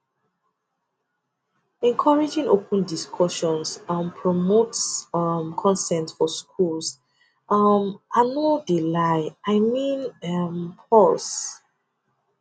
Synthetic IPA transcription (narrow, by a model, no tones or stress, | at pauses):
ɛ̃nkʰɔɹid͡ʒĩŋʔopʰə̃ndiskʰɔʃɔ̃nsɔmpʰɹɔmotsmkʰɔ̃nsɛ̃ntfɔskʰuls | ʌmʔanodilaɪaɪmĩnmpʰɔls